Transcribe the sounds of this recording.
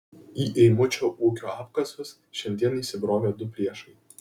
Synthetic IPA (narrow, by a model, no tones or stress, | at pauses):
iːʔɛɪmʊt͡ʃʲoːʔuːkʲoːɑːpkɐsʋʲʊs | ʃʲɛnʲd̪ʲiɛniːsʲɪbɾoːʋʲeːd̪ʊpʲɾʲiɛʃɐɪ